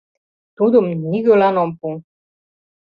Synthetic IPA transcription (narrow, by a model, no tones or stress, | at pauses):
t̪ud̪ŏmnʲiɡølanompu